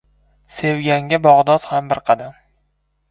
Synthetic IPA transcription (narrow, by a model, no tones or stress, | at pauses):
se̞wɡʲaŋɡʲabɒʁd̪ɒzhambɪɾqʰɑd̪am